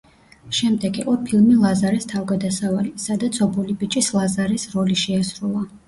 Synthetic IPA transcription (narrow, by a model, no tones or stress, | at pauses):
ʃɛmd̪ɛɡiqʼɔpʰilˠmilˠazaɾɛst̪ʰavɡad̪asavalisad̪at̪sʰɔbulibʼit͡ʃʼislˠazaɾɛsɾɔliʃɛasɾulˠa